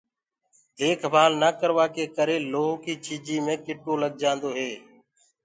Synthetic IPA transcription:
d̪eːkʰmaːlnaːkəɾʋaːkeːkəɾeːloːɦokiːt͡ʃiːd͡ʒiːmẽːkɪʈoːləɡ̚d͡ʒãːnd̪oːɦeː

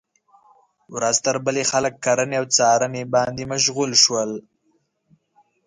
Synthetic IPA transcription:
wɾazt̪əɾbəlexaləkːaɾəneawt͡sɑɾənebɑnd̪imaʃɣulʃwəl

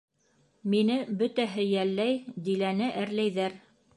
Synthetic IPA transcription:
minɘbɵt̪æɦɘjælːæjd̪ilænɘʔæɾlæjðæɾ

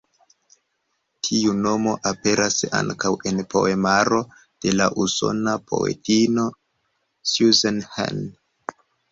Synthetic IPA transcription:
tʰiuno̞mo̞ʔape̞ɾʔasa̰ŋkawʔe̞npo̞̰e̞maɾo̞ | d̥e̞laʔuso̞̰napʰo̞̰ḛtino̞ | sjuzenha̰n

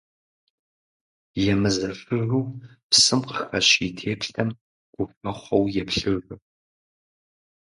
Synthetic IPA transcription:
jɛmɨzɐfɨruː | psɨmqəxɐɕitʰeːpɬɐm | ɡ̥ʷʊfɐχʷɐwjɛpɬɨru

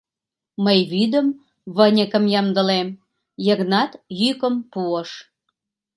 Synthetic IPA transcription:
məjβyd̪ə̆m | βənʲəkə̆mjɑmd̪ə̆lem | jəɣnɑt̪jykə̆mpuəʃ

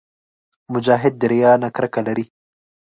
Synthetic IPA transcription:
mʊd͡ʒaːɦɪd̪̚ːɪɾjɑːnakɾakalaɾi

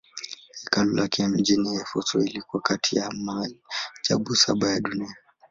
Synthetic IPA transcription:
hikalulʔakɛm̩d͡ʒinijɛfɔsɔ̰ilikuakatʰijamaid͡ʒaɓusa̰ɓajaɗunia

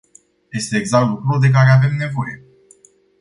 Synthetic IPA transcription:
je̞st̪e̞ːɡzakt̪lukɾud̪e̞k̬aɾe̞ave̞mne̞vo̞je

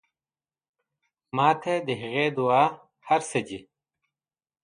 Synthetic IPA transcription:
maːt̪ʰɐd̪əɦɐɣeːd̪uaː | hɐɾsɐd͡ʑi

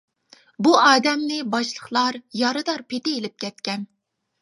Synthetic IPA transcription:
buɑːd̪ɛmnɪbɑʃlˠəχlˠɑɾjɑɾɨd̪ɑɾpʰet̪ɪelɪp̚kʲʰɛt̪̚kʲɛn

